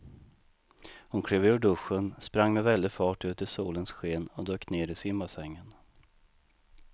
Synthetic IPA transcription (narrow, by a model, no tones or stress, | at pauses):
hʊnkʰɾeːvʉːɖɵʂːənspɾaŋːmɛvɛld̪ɪfɑːʈʉ̟ːt̪ɪsuːlənsɧeːnɔd̪øːkneːɾɪsɪmːasɛŋːən